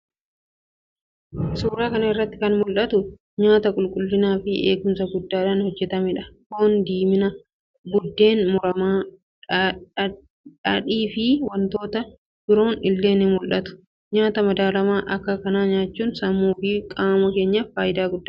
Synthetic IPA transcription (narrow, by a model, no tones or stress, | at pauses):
suːɾaːkɐnɐɪrːɐt̪ːɪkɐnmʊlʔɐt̪ʊ | ɲaːt̪ɐkʼʊlkʼʊlːɪnaːfɪʔḛːɡʊmsɐɡʊd̪ːaːᶑɐnhɔd͡ʒːɛt̪ɐmɛᶑɐkoːnd̪iːmɪnɐ | bʊd̪ːe̞ːnmʊɾɐmaː | ᶑɐᶑiːfɪwɐnt̪o̞ːt̪ɐ | b̥ɪɾo̞ːnɪlːe̞ːnɪmʊlʔɐt̪ʊ̥ | ɲaːt̪ɐmɐd̪aːlɐmaːʔɐkːɐkɐnaːɲaːt͡ʃːuːnsɐmːuːfikʼaːmɐke̞ːɲːɐfaːjɪd̪aːɡʊd̪ːaː